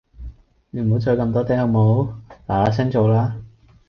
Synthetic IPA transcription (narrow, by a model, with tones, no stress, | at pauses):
ne˨˧m˨ɦo˨˥wt͡sɔː˨˧kɐ˧mt̪̬ɔː˥t̪ɛː˥hɐ˨˧wmo˨˥wlaː˨˩laː˨˥s̬ɐ˥ŋt͡so˨wlaː˥